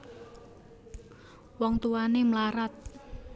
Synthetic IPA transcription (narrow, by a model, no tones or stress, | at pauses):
wɔŋt̪uanemlaɾat̪̚